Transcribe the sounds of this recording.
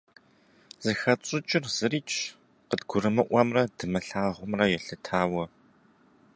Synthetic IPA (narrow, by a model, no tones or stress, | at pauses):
z̥ɨxɐt͡ʃʼɪt͡ʃʼɪrz̥ɨɾiːt͡ʃʰ | qədɡʷʊɾɨmɨʔʷɐmrɐdɨmɐɬaːʁʷʊmrɐjɛɬɨtʰaːwɐ